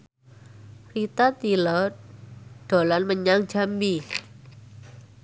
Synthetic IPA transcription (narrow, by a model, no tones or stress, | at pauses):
rit̪at̪ilɔ | ɖ̥o̤lanməɲaŋ̥d͡ʒa̤mbi